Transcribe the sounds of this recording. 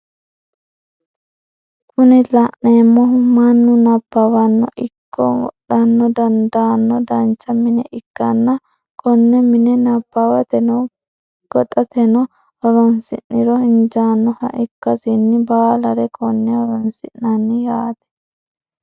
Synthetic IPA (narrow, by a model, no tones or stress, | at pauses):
kʰʊnɪlɐʔneːmːɔmɐnːʊnɐpːɐwɐnːɔ̰ʔɪkʰːɔ̰ɔ̰ɗɐnːɔd̪ɐnd̪aːnːɔd̪ɐnt͡ʃːɐmɪnɛ̰ʔɪkːɐnːɐ | kʰʼɔnːɛmɪnɛnɐbːawɐt̪ɛnɔw | ɡ̥ɔt̪ʼɐt̪ɛnɔ | ɔɾɔnsɪ̰nːɪɾɔɪnd͡ʒaːnːɔhɐ̰ʔɪkːɐsinːɪbaːlɐɾɛkʰɔnːɛɔɾɔnsɪʔnɐnːɪjaːt̪ɛ̥